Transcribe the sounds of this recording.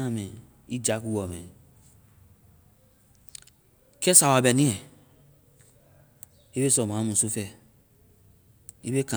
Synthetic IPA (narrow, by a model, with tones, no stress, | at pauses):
a˦mẽ˨ | i˦d͡ʒa˨˦ku˦wɔ˨mḛ̃˨ | kɛ˦sa˨wa˨bɛ˨nĩ˦ɛ˨ | i˦be˦sɔ˨mã˨˦mũ˨su˦fɛ˦˨ | i˦be˦kã˨